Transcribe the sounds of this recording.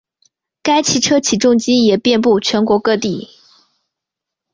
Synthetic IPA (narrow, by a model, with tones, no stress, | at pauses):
ka˥ɪt͡ɕʰi˧˥ʈ͡ʂʰɤ˥t͡ɕʰi˨˩ʈ͡ʂʊ˥˧ŋt͡ɕi˥jɛ˨˩pjɛ˥˧np̬u˥˩t͡ɕʰɥɛ˧˥nkwɔ˧˥kɤ˥˧t̪i˥˩